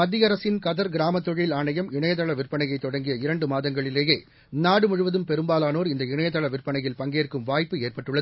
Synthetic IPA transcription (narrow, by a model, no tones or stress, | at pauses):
mɐd̪ːɪjɐɾɐsɪnkɐðɐɾɡɪɾaːmɐt̪ːɔɻɪlaːɳɐjɐmɪɳɐjɐt̪ːɐɭɐʋɪrpɐɳɐjɐɪt̪ːɔɽɐŋɡɪjɐɪɾɐɳɖɯmaːðɐŋɡɐɭɪleːjeː | naːɽɯmʊɻʊʋɐðɯmpɛɾɯmbaːlaːnoːɾɪnd̪ɐɪɳɐjɐt̪ːɐɭɐʋɪrpɐɳɐjɪlpɐŋɡeːrkɯmʋaːjpːɯeːrpɐʈːɯɭːɐðɯ